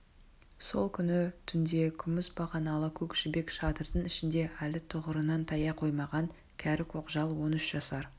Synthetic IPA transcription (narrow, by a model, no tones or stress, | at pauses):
so̞lˠkʲʰʏnɪt̪ʰʏnd̪e̞kʲʰʏmɪsbɑʁɑnɑlˠəkʲʰɵkʃɪbe̞kʃɑt̪əɾd̪əɴɪʃɪnd̪e̞ʔælɪt̪ʰʊʁəɾənɑnt̪ʰɑjɑqʰo̞jmɑʁɑŋ | kʲʰæɾɪkʰoqʒɑlˠwo̞nʏʃʒ̥ɑsɑɾ